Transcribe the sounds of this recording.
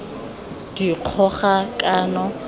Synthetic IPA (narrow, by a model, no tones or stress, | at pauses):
d̥iq͡χʰɔχakʼaːnɔ